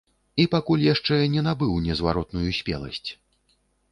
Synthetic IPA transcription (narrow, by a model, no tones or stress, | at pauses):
ipakulʲjaʂt͡ʂɛnʲɛnabɨwnʲɛzva̰ɾɔt̪nujusʲpʲɛ̰lˠɐ̰sʲt͡sʲ